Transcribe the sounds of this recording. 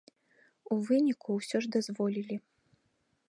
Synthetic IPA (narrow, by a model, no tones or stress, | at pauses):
uvɨnʲikuwsʲɔʐd̪azvɔlʲilʲi